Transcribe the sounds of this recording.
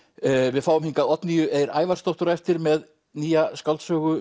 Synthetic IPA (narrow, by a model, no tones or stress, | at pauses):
vɪðfaːwʏmhiŋkaðɔt̪nijʏʔejɾa̰ːjvaɾ̥st̪owht̪ʏɾaɛft̪ɪɾmɛð | niːjaskalt̪sœːɣʏ